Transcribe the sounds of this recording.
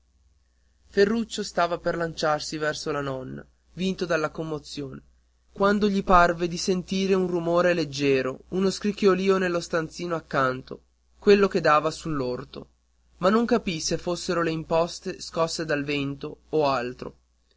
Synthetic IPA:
ferːut͡ʃːost̪aːvaperlant͡ʃarsivɛrsolanɔnːa̰ | vint̪od̪alːakomːot̪sjoːne | kwand̪oʎiparved̪isent̪iːɾeunrumoːɾeled͡ʒːɛːɾounoskɾikjoliːonelːost̪ant̪siːnoakːant̪o̰ | kwelːoked̪aːvasulːort̪o | manːoŋkapisefːosːeɾoleimpɔst̪eskɔsːed̪alvent̪oːalt̪ɾo̰

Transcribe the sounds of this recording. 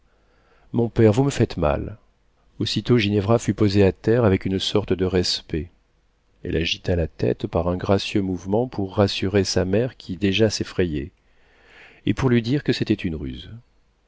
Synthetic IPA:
mɔ̃pɛʁvuməfɛt̪ma̰l | osit̪oʒinɛvʁafypozeat̪ɛʁavɛkynsɔʁt̪əd̪əʁɛspɛ | ɛ̰lʔaʒit̪alat̪ɛ̰t̪paʁɛ̃ɡʁasjømuvmɑ̃pʰuʁːasyʁesamɛʁkʲʰid̪eʒasefχeje | epuʁlɥid̪iʁkəset̪ɛt̪ynʁy̰z

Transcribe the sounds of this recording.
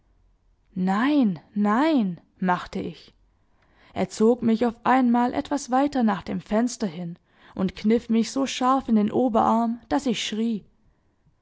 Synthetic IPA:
naɪnːaɪn | maχtəʔɪç | ʔeːɐt͡soːkmɪçaʊfʔaɪnmaːlʔɛ̰tv̥asv̥aɪtɐnaːχd̥eːmfɛnstɐhɪn | ʔʊntkʰnɪfmɪçz̥oːʃaɐfɪndeːnʔoːbɐʔaɐmd̥asɪçʃʁ̥iː

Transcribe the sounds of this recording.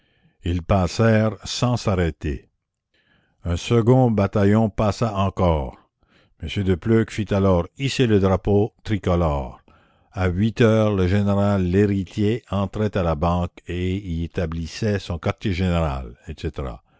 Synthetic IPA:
ilpasɛːʁsɑ̃saʁɛt̪ḛ | œ̃səɡɔ̃bat̪ajɔ̃pasaɑ̃kɔːʁ | məsjød̪əpløkfit̪alɔːʁiseləd̪ʁapot̪ʁikɔlɔːʁ | aɥit̪œːʁləʒeneʁalːeʁit̪ʰjeɑ̃t̪ʁɛt̪alabɑ̃ːkeiet̪ablisɛsɔ̃kaʁt̪jeʒeneʁa̰lɛt̪set̪eʁa̰

